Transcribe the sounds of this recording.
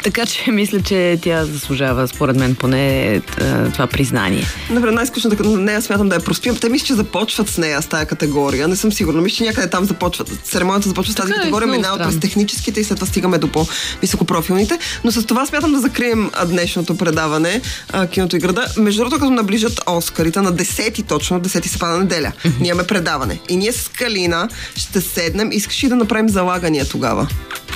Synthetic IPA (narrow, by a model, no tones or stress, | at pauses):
t̪ɐkat͡ʃɛmislʲət͡ʃɛt̪jazɐslˠuʒavəspoɾɛd̪mɛnponɛ̰ | t̪ovapɾizna̰nḭɛ̰nɐpɾanajskluʃnət̪ɐkɐt̪nɛjasmjat̪əmd̪ɐɐpɾosp̪iəmt̪ɛmislɛ̥t͡ʃɛzɐpɔt͡ʃvɐt̪snɛjəst̪ajɐkɐt̪ɛɡɔɾijənɛsɤmsiɡuɾnɐmist͡ʃɛnʲakəd̪ɛt̪amzɐpɔt͡ʃvət̪sɛɾɛmɔnijət̪ɐzɐpɔt͡ʃvɐsazk̪iɐt̪ɛɡɔɾiəmɛnaoɾɛst̪ɛxnit͡ʃɛ̥sk̟it̪ɛislɛt̪ːovast̪iɡəmɛd̪opɔvisokopɾɔfilˠnit̪ɛnos̬ɐst̪ovassmʲat̪əmd̪ɐzɐkɾiɛm̰d̪nɛʃnot̪opɾɛd̪avɐnɛk̟inot̪oiɡɾɐd̪əmɛʒd̪ud̪ɾɔd̪nokɐt̪onɐbliʒət̪ɔskɐɾit̪ɛnɐd̪ɛsɛt̪it̪ɔt͡ʃnod̪ɛsɛt̪isɛ̥pad̪nɛd̪ɛlʲə̰nimɐmɛpɾɛd̪avɐnɛ̰iniɛsɐ̥skɐlinəʃt̪ɛsɛd̪nɛmʔiskə̥ʃɛid̪ɐnɐpɾavimzɐlˠaɡəniət̪oɡa̰və̰